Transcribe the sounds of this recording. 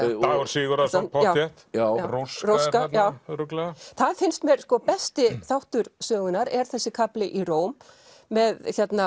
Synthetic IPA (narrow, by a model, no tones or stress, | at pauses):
aɣɔɾsɪːɣʏɾapʰɔaːwɛt̪jaːwɾowskrowskanjaːwɾʏklaθaðfɪnst̪mɛɾ̥skɔpɛst̪ɪθawht̪ʏɾ̥sœːɣʏnaɾɛɾ̥θɛsːɪkʰaplɪʔiroːwmː | ɛðθjɛt̪na